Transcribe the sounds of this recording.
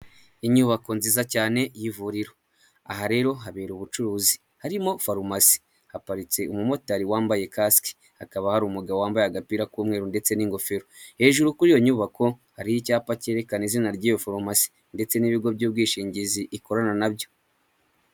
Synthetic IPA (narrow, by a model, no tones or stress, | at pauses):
iɲuːβako̞nziːzacaːne̞jivuɾiɾo̞ | a̰ɦaɾe̞ːɾo̞ɦaβe̞ːɾuβut͡ʃuɾuːzi | haɾimo̞faɾumasi̥ | hapaɾit͡se̞umumo̞taɾiwaːmbaje̞kaski̥ | hakaβahaɾuːmuɡawowaːmbajaɡapiɾakuːmŋe̞ːɾunde̞t͡se̞niŋɡo̞fe̞ɾohe̞ːʒuɾukuɾijoɲuːβako̞haɾijicaːpace̞ɾe̞kanizinaɾɟiːjo̞faɾumasi̥ | nde̞t͡se̞niβiɡo̞bjuːbɡiːʃiːɲɟiziʔiko̞ɾananabjo̞